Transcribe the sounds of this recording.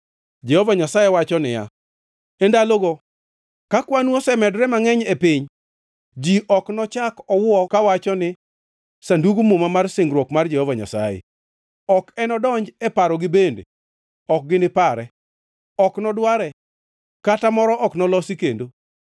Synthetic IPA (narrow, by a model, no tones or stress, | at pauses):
d͡ʒɛhovaɲasajewat͡ʃɔnɪja̰ | endaloɡo | kakwanwosɛmɛdɾɛmaŋɛɲepɪɲ | d͡ʒiʔɔknɔt͡ʃakɔwɔkawat͡ʃɔnɪ | sanduɡumʊmamarsɪŋɡɾwɔkmard͡ʒɛhovaɲa̰sa̰jḛ | ɔkɛnɔdɔɲd͡ʒɛpaɾɔɡɪbendḛ | ɔk̚ɡɪnɪpaɾɛ | ɔknɔdwaɾɛ | katamɔɾɔʔɔknɔlɔsikendo